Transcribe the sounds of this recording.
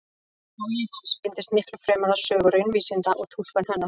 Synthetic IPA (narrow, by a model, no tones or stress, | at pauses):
ɔjɛhanspɪnt̪ɪst̪mɪhklʏfɾɛːmaðḁsœːɣʏɾʏnviːsɪnt̪aʔɔɣt̪ʰul̥kanhanːa